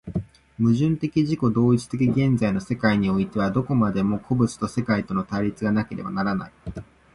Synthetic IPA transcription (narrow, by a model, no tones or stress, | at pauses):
mɯ̟ʑɨ̃nt̪e̞kʲiʑiko̞d̪o̞ːit͡si̥t̪e̞kʲiɡẽ̞nd͡zaino̞se̞kaiɲ̟io̞it̪e̞β̞ad̪o̞ko̞mad̪e̞mo̞kʰo̞bɯ̟t͡sɨ̥t̪o̞se̞kait̪o̞no̞t̪aɾʲit͡sɨɡanake̞ɾe̞̰ba̰naɾana̰i